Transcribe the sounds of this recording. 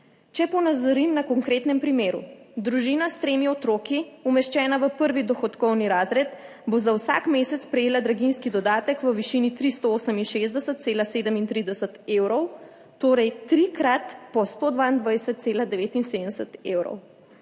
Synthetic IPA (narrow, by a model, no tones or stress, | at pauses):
t͡ʃɛpɔnazəɾimnakɔŋkɾeːt̪nɛmpɾimeːɾṵ | d̪ɾuʒiːnast̪ɾeːmiɔt̪ɾokiumɛʃt͡ʃɛːnaʋəpəɾʋid̪ɔxɔt̪kɔwniɾaːzɾɛt̪ | bozawsa̰kmeːsɛt̪spɾɛjeːlad̪ɾaɡinskid̪ɔd̪aːt̪əkʋəʋiʃinit̪ɾist̪ooːsəminʃezd̪ɛsət̪̚seːlaseːd̪əmint̪ɾid̪ɛsət̪ewɾɔw | t̪oːɾɛjt̪ɾikɾat̪pɔst̪od̪ʋaind̪ʋajsət̪̚t̪seːlad̪ɛʋeːt̪insed̪ɛsət̪ewɾɔ̰w